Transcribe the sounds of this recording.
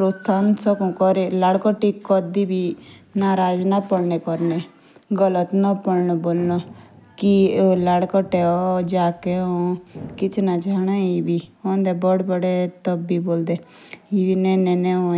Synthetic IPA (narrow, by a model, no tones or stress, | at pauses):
pɾot̪sansɔkũkɔɾelaɽkɔʈikɔd̪ibʱinaːɾaːd͡ʒnapəɽnekɔɾne | ɡələt̪nɔpəɽnɔboːlnɔ | kilaɽkɔʈeɔd͡ʒaːkeõkɪt͡ʃʰnat͡ʃaːɽ̃aibiɔ̃nd̪ebɔɽbəɽet̪ɔbːiboːld̪e | ibinɛnɛnɛõ